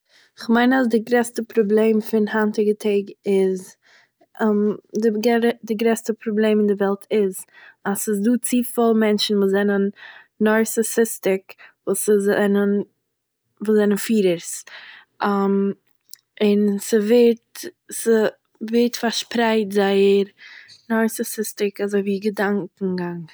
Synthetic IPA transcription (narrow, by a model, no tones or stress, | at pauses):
ɪχmaɪnasdɪɡɾɛstəpɾɔblˠeːmfɪnhantɪɡətʰeɪɡɪz | mdɪɡɛdɪɡɾɛstəpʰɾɔblˠeɪmɪndɪvɛlˠtʰɪz | asɪsduːt͡siːfɔlˠmɛnt͡ʃn̩vuːzɛnənː | ɔɾsɛsɪstɪkvuːszɛnən | vuːzɛnənfiːɾəɾs | am | ɪnsəvɪɾt | sə | vɪɾtfaɾʃpɾaɪtzaɪəɾnɔɾsɛsɪstɪkazoɪviːɡədaŋkŋ̩ɡaŋ